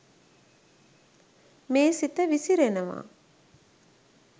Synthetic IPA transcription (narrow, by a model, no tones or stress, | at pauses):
meːsit̪əʋisiɾenəʋa̰ː